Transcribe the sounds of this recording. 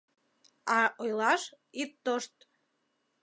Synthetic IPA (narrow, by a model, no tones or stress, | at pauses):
ɑojlɑʃ | it̪ːoʃt̪